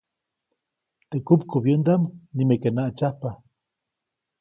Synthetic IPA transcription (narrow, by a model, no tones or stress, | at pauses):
t̪eʔkupkuβjənd̪amnimekenaʔt͡ʃahpa